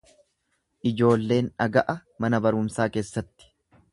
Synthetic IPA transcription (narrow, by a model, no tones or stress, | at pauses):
ʔɪd͡ʒo̞ːlːe̞ːnᶑɐɡɐʔɐmɐnɐbɐɾʊːmsaːke̞ːsːɐt̪ːɪ̥